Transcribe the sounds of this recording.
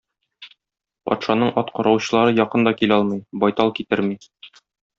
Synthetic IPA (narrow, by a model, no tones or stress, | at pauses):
pɒ̰t̪ʃɑnɤɴʔɒt̪qɒɾɑwɕɤ̆lˠɑɾɤjɒqɤnd̪ɒkilɒlˠmɤjbɒjt̪ɑlˠkit̪ɘɾmi